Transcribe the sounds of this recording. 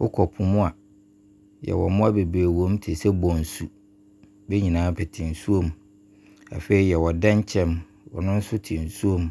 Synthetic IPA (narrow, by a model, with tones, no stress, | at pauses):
wʔʊ̰˦kʰɔ˨pʰʊ̃˨mʊ̃˦a˨ | jɛ̰˨wɔ̰˨mʊ̃˦a˦be˨bɾeː˨wõ˨˦m˦tʰɪ˨sɛ˦bɔ̃˨n̩˨su˨ | be˦ɲĩ˨nãː˨˦pʰɛ˨tʰɪ̃˨n̩˨su˦õ˦m | a̰˨fe˦i˦jɛ˨wɔ˨dã˦ɲ˦t͡ɕʰɛ̃˦m | wɔ̰˨nʊ̃˦n̩˦sʊ˦tʰɪ˨n̩˨su˦õ˦m